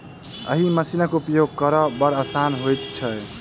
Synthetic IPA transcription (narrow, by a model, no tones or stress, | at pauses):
ə̰ɦiməsiləkupjoɡ̚kəɾəbəɾəsanɦojt̪t͡ʃʰə